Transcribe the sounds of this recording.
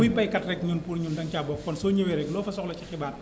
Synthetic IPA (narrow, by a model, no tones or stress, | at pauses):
ipajkat̪̚ɾɛk̚ɲunpunɲundaŋt͡ɕaːbɔːkʰːɔnsuɲəweɾɛkloːfasɔk̚lɔt͡ɕakʰebaːt̪̚